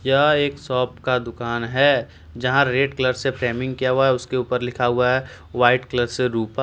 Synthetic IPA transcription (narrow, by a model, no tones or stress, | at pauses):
jaːeːksɔːpkad̪ʊkaːnɦɛ | d͡ʒɐɦãɾeːɖkləɾsepʰɾɛːmɪ̃ŋɡkijaɦuaɦɛʊskeuːpəɾlɪkʰaɦʊaɦɛ | ʋaːɪʈkləɾseɾuːpa